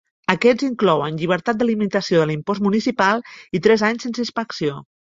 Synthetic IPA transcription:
əkɛziŋklɔwənʎiβ̞əɾt̪at̪̚d̪əlimint̪əsioðəlimpɔzt̪munisipalˠit̪ɾɛzaɲsensispəksio

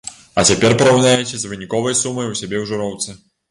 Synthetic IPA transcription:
ɐt͡sʲapʲɛrpɐɾawnʲajɛt͡sʲɛzvɨnʲikɔvɐjsumɐjwsʲabʲɛwʐuɾɔwt̪sɨ

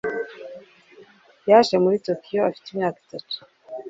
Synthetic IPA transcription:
jaʃemuɾitokʰijoafi̥teimɲaːki̥tatu̥

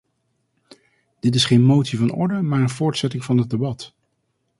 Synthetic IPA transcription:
d̥ɪt̬ɪsχejnmowtsivɑnɔ̰ɹdəmaːɹənvʊːɹtsɛtɪŋvɑnɦət̚dəbɑt

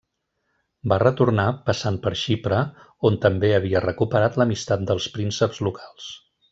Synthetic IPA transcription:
barət̪uɾnapəsanpəɾʃipɾə | ont̪əmbeəβ̞iərəkupəɾat̪ləmist̪at̪̚d̪əlˠspɾinsəpzlukʰalˠs

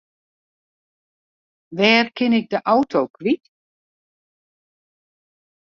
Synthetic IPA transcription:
ʋɛːrkʰɪnɪk̚dəʔawtʰoːkʰʋit

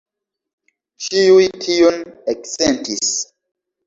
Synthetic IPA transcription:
t͡ʃiujtʰioneksentis

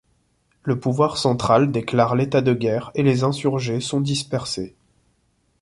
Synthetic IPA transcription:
ləpuvwaʁsɑ̃t̪χald̪eklaʁlet̪ad̪əɡʲɛʁelezɛ̃syʁʒesɔ̃d̪ispɛʁse

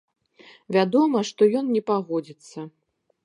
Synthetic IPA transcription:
vʲad̪ɔmɐʂt̪ɔjɔnnʲɛpaɣɔd͡zʲit̪sːɐ

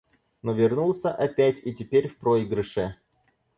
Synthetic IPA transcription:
novʲɪrnulˠsʲəʔɐpʲætʲitʲɪpʲeɾʲfpɾoiɡɾɨʂɨ

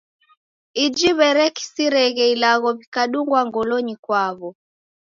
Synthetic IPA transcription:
id͡ʒiβɛɾɛki̥siɾɛɣɛilaɣɔβikaɗuŋɡwaŋɡɔlɔɲikwaβɔ

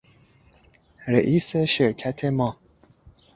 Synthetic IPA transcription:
ɾeʔiːseʃeɾkʰæt̪ʰemɒ

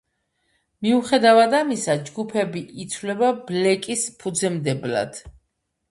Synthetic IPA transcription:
miuχɛd̪avad̪amisad͡ʒɡupʰɛbiʔit̪sʰvlɛbablɛkʼispʰud̪zɛmd̪ɛbla̰d̪̥

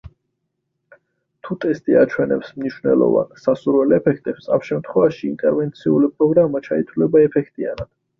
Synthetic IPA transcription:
t̪ʰut̪ʼɛst̪ʼiat͡ʃʰwɛnɛpsmniʃwvnɛ̰lˠɔ̰va̰nsasuɾvɛlɛpʰɛkʰt̪ʼɛpsa̰mʃɛmt̪ʰχwɛvaʃḭːnt̪ʼɛɾvɛnt̪sʰiulipʼɾɔɡɾamat͡ʃʰait̪ʰwulɛbaɛpʰɛkʰt̪ʼianad̪̥

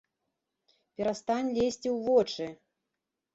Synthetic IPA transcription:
pʲɛɾast̪anʲlʲesʲt͡sʲiwvɔt͡ʂɨ

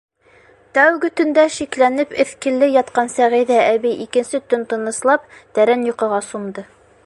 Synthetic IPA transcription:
t̪æwɡɘt̪ɵ̆nd̪æʃiklænɘpɘ̆θkɘ̆lːɘjɑt̪qɑnsæʁiðæʔæβijʔikɘ̆nsɘt̪ɵnt̪ɤ̆nɤ̆slˠɑp̚t̪æɾænjŏqɤ̆ʁɑsund̪ɤ

